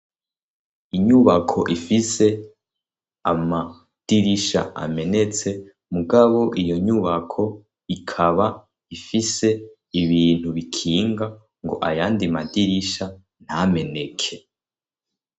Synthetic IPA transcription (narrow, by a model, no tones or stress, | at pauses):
iɲuβakʰoʔifise̞ | a̰ma | d̥iɾiʃa̰ʔa̰me̞ne̞t͡se̞ | muɡaβo̞ʔijo̞ɲuβakʰo̞ | ikʰaβa | ifise̞ | iβiːn̥huβikʰiːŋɡa | ŋɡo̞̰ʔajaːndimadiɾiʃa | n̥hame̞ne̞kʰe̞